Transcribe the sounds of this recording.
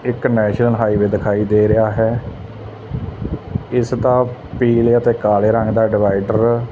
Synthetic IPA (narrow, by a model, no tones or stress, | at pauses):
ɪknɛːʃnəlɦaːiːʋeːd̪ɪkʰaːiːd̪eːɾɪaːɦɛː | ɪst̪ãːpiːleət̪eːkaːleːɾəŋɡd̪aːɖɪʋaːiɖəɾ